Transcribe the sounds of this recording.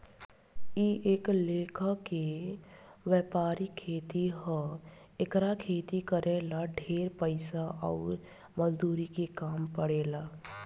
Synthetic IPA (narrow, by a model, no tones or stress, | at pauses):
iʔeːkleːkʰəke | ʋɛːpaːɾikʰeːt̪iɦə | ekɾakʰeːt̪ikəɾʔeːlaɖʱeːɾpəɪsaʔɔ̰ːɾ | məd͡ʒd̪uːɾikekaːmpəɽeːlaː